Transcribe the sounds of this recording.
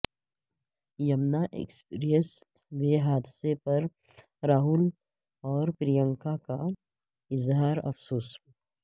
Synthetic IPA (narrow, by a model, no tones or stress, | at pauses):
jɐmnaʔḛːkspiːɾijəs | weɦaːd̪ɪsepɐɾ | ɾaːɦʊl | ɔːɾpɾɪjə̃ŋkaka | ɪzɦaːɾɐ̰fsoːs